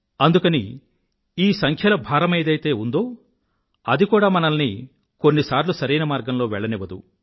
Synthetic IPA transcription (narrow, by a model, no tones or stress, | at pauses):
ɐnd̪ukɐnḭ | iːsɐŋkʰjɐlɐbʱaːɾɐmeːd̪ɐjt̪e̞ːund̪o̞ː | ɐd̪ikuːɽaːmɐnɐlni | ko̞nːisaːɾlusɐɾiːnɐmaːɾɡɐmlo̞ːʋɛɭːɐniʋɐd̪ṵ